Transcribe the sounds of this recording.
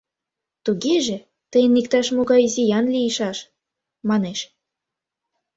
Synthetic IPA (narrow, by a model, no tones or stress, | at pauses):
t̪uɣeʒĕ | t̪əjənikt̪ɑʃmoɣɑjzijɑnlʲiiʃɑʃ | mɑneʃ